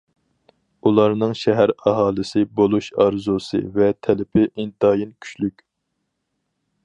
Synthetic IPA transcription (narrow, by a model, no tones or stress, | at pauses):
ulˠɑɾnɨŋʃɛɦæɾɑɦɑːlˠɨsɪbolˠuʃɑɾzusɨ̰vɛt̪ʰɛlɪpʰɪʔint̪ɑːjinkʲʰy̥t͡ʃlykʲ